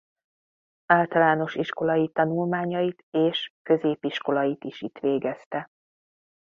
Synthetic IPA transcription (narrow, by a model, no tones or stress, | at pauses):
aːlt̪ɒlaːno̞ʃiʃko̞lɒjit̪ɒnulmaːɲɒjit̪eːʃkø̞zeːpiʃko̞lɒjit̪iʃit̪ʋeːɡɛst̪ɛ